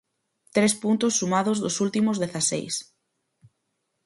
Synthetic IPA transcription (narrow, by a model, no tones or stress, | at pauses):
t̪ɾespunt̪ʊsːumaðʊzðʊsult̪imʊzðeθasḛjs